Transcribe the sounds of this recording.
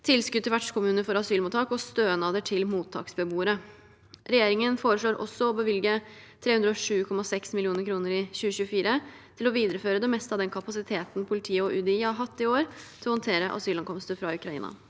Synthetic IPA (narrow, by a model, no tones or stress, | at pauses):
t̪ʰɪlskʉd̪ʰɛʋæʈʂkʊmʉːnəfɔɾɑsyːlmʊt̪ʰɑːkɔst̪øːənɑːd̪əʈʰɪlmuːt̪ʰːɑ̰ːksbəbuːəɾə | ɾɛjeːɾɪŋənfoːɾəʂɭoːɾʔɔ̰sːɔɔbəʋɪlɡət̪ʰɾeːʉnd̪ɾəɔʂʉːkʰɔmɑsɛksmɪlɪuːnəɾkʰɾuːnəɾɪɕʉːəɕʉːəfiːɾət̪ʰɪlɔʋiːd̪əɾəføːɾəd̪ɛmɛst̪əɑːd̪ɛnkʰɑpɑsɪt̪ʰeːt̪n̩pʰʊlɪt̪ʰiːəɔʔʉd̪ɪhɑɦɑt̪ːɪoːɾt̪ʰɪlhɔnt̪ʰeːɾəʔɑ̰syːlɑŋkʰɔmst̪əfɾɑʉkɾɑḭːnɑ̰